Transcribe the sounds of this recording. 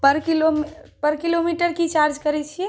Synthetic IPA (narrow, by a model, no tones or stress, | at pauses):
pəɾkilompəɾkilomiʈəɾkit͡ʃaɾd͡ʒkəɾɛt͡ʃʰiɛ